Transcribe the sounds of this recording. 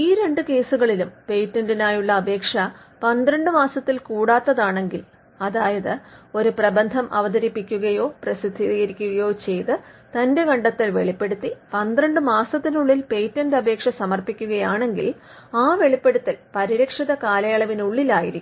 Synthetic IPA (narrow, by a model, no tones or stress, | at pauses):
iːɾe̞ɳɖɨke̞ːsuɣɐɭilumpe̞jtːɐndinaːjuɭːɐːbʱe̞ːkʂɐpɐnd̪rɐɳɖɨmaːsɐt̪ːilkuːɽaːt̪ːɐðaːɳe̞ŋɡil | ɐðaːjɐðɨo̞ɾuprɐbɐnd̪ʱɐmʔɐ̰ʋɐd̪ɐɾipːikʲːuɣɐjo̞ːprɐsid̪ʱːijɐɾikʲːuɣɐjo̞ːt͡ɕe̞jt̪ɨt̪ɐnde̞ɡɐɳɖɐt̪ːilʋe̞ɭipːe̞ɽut̪ːipɐnd̪rɐɳɖɨmaːsɐt̪ːinuɭːilpe̞jtːɐndɐbʱe̞ːkʂɐsɐmɐrpikʲːuɣɐjaːɳe̞ŋɡḭl | aːʋe̞ɭipːe̞ɽut̪ːilpɐɾiɾɐkʂiðɐkaːlɐjɐɭɐʋinuɭːilaːjiɾikʲːum